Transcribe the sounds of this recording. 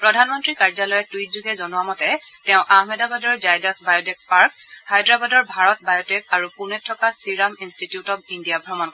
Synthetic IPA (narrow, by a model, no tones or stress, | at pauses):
pɹɔdʱanmɔntɹikaɹzalɔjɛtujzuɡɛzɔnʊamɔtɛtɛʊ̃ʔaɦmɛdabadɔɹzajdasbajɔtɛk̚paɹkhajdɹabadɔɹbʱaɹɔt̚bajɔtɛk̚aɹupunɛtʰːɔkasiɹaminstitjutɔbindijabʱɹɔmɔnkɔ